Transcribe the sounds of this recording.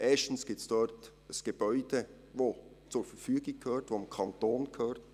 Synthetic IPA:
ʔɛːʃtn̩sɡ̥ɪp̚sd̥ɔɾt | əsɡ̥eb̥œʏd̥e | vo | t͡sʊɾfəfyːɡɪkʰhøːɾtʋoɪmkʰɑntoːnkʰøːɾt

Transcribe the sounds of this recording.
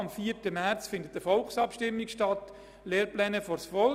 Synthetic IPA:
ɑmfiːəɾtəmæɾt͡sfɪndət̚ːəfɔlksɑpʃtɪmːikʃtɑt | leːɾplɛːnəfɔɾsfɔl

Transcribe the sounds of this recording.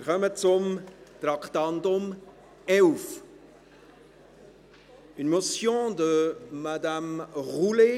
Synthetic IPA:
ɪɾkœmət͡sʊmt̪ɾakt̪ant̪ʊm | ɛlf | ynmɔsjɔ̃d̪əmad̪amʁule

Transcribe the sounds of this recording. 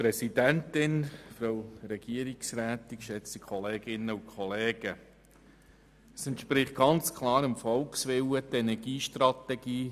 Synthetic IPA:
pɾɛsid̥æntɪnfɾowɾɛɡ̥iəɾɪksræːtɪkʃɛt͡sikʰχɔleːɡ̥ɪnːəʊnkʰχɔleːɡ̥ə | əsɛnt̪ʃpɾɪχt̚ɡ̥ɑnt͡skʰlɑːɾəmfɔlksʋɪwətɛnɛɡ̥iːʃtrɑt̪ɛɡ̥iː

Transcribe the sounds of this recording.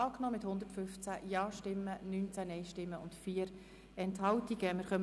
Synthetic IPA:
ɑːknɔːmɪthʊnd̪ətfʏft͡sæjɑːʃtɪmːənyːnt͡sænɛɪʃtɪmːəʊntfiːəɾ | ɛnthɑltiɡ̥əmɪɾχœm

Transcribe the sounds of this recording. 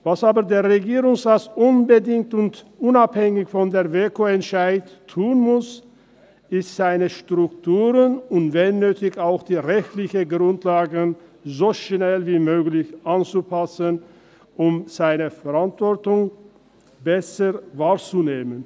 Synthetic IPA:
vasaːbədeːɐʁeɡiːʁʊŋsʁat͡sʔʊnbədɪŋk̚tʊntʔʊnaphɛŋɪçfɔndeːɐveːkoɛntʃaɪtʰːuːənmʊs | ɪstz̥aɪnəʃtʁ̥ʊktʰuːʁənʊntvɛnːøːtɪçaʊxd̥iːʁɛçtlɪçəɡʁʊntlaːɡənzoːʃnɛlviːmøːɡlɪçʔant͡supʰasən | ʔʊmz̥aɪnəfɛʁantv̥ɔɐtʊŋ | bɛsəvaːt͡suneːmən

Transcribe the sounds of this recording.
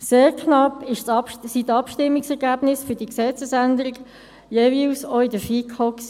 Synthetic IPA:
seːʁkʰnɑpːɪʃsitɑpʃtɪmːɪksɛʁɡæb̥nɪsfød̥iəksɛt͡səsænd̪əɾɪɡ | jevilsoɪdəfikʰhɔks

